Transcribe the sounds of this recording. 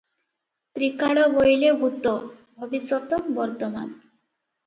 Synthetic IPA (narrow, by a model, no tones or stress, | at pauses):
t̪ɾikaɭɔbojlebʱut̪ɔbʱɔbiswɔt̪ɔbɔɾt̪ɔma̰n